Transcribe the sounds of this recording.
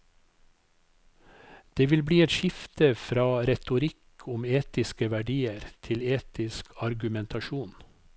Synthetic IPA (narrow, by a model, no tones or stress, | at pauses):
d̪̥eːʋɪlbɽiːɛt̪ʃɪft̪ʰəfɾɑːɾɛt̪ʊɾɪkʰʊmeːt̪ɪskəʋæɖiːəɾt̪ʰɪleːt̪ɪskʰɑɾɡʉmɛnt̪ʰɑʃuːn